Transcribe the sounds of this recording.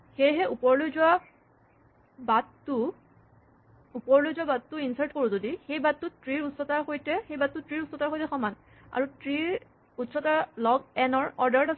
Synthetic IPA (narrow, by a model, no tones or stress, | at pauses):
xejɦɛʔupɔɹlojzʊwa | batːʊ | upɔɹlojzʊabatːʊinsaɹtkoɹũzodixejbatːʊtɹiɹutsɔtaɹxojtɛxejbatːutɹiɹutsɔtaɹxojtɛxɔman | a̰ɹutɹiɹ | utsɔtaɹlɔɡ̚ɛnɔɹɔɹdaɹta